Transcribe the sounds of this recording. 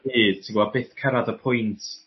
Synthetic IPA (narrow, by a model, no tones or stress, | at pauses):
i̥ːtʰiŋɡwabeːθkʰɛɾadəpʰʊjntʰ